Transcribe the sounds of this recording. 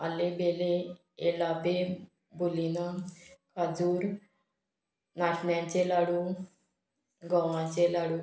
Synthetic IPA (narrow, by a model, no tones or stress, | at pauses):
a̰lebele | elape | bulinakad͡zuːɾ | naʈʰnjãt͡ɕelaɽu | ɡɔwãt͡ɕelaɽu